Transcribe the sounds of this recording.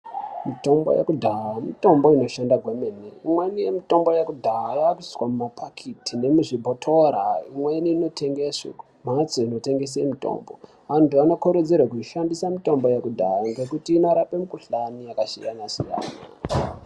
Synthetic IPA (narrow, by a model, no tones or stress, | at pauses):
mito̞mbo̞̰jḛkudʱaamito̞mbo̞ino̞ʃandaɡʱwemeneimwe̞nije̞mito̞mbo̞jekudʱaajaːkui̥swamumapʰakʰitʰine̞muʐibʱotʰo̞ɾaimwe̞niːno̞tʰe̞ŋɡesa̰ | mat͡soino̞te̞ŋɡe̞s̬emito̞̰ːmbo̞̰ | antuano̞koɾed͡zerwakuiʃandisamito̞mbo̞jekudʱaaŋɡe̞kutiːnoɾape̞mukuɬanijakaʃijanasija̰ːna̰